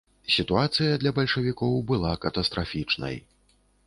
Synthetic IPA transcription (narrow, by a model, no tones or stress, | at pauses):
sʲit̪uat̪sɨjɐd̪lʲɐbɐlʲʂɐvʲikɔwbɨlˠakɐt̪ɐst̪ɾafʲit͡ʂnɐ̰j